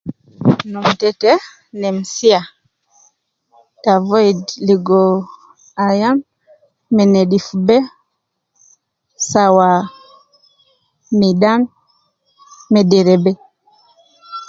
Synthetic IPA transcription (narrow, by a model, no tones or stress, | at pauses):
numtɛtɛ | nɛm̩sia | tavɔidliɡɔ | ajamː | ɛnɛɗifubɛ | sawa | miɗan | mɛdɛɾɛbɛ